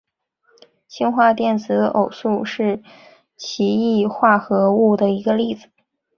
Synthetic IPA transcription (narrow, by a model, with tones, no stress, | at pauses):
ɕi˥nxwa˥˧t̪jɛ˥˩nt͡sʰɹ̩˧˥ʔo˨˩ʊsu˥˧ʂɻ̩˥˩ | t͡ɕʰi˧˥i˥˧xwa˥˩xɤ˧˥u˥˩d̪ə˩i˧˥ɡə˧li˥˩d͡zɹ̩˩